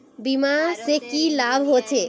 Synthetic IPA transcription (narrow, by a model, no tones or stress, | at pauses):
bimasekilaːbʱɦot͡ʃʰe